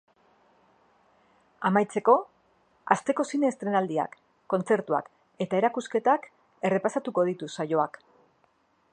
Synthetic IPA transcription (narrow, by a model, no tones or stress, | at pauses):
amajt͡se̞ko̞ | a̰st̪e̞ko̞sinest̪ɾe̞nald̪ia̰kː | o̞nt͡se̞ɾt̪ua̰k | e̞t̪ae̞ɾakuske̞t̪ak | e̞re̞pasat̪uko̞ð̞it̪usajo̞ak